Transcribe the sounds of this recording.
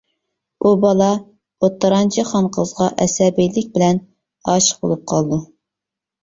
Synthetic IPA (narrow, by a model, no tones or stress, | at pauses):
ubɑlˠɑ | ot̪ːɑɾɑnt͡ʃʰiχɑnqʰəzʁɑʔɛsɛbijlɪk̚ʲbɪlɛn | ɑːʃə̥bo̰lˠup̚qʰɑlˠd̪u